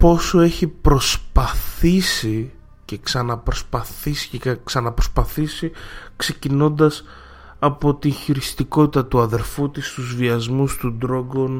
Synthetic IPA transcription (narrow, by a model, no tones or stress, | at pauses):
po̞so̞e̞çipɾo̞spɐθisi | ce̞ksɐnɐpɾo̞spɐθisi̥ksɐnɐpɾo̞spɐθisikse̞cino̞nd̪ɐs | ɐpo̞t̪inçiɾist̪iko̞t̪it̪ɐt̪uɐðe̞ɾfut̪ist̪uzviɐzmust̪ud̪ɾo̞ɡon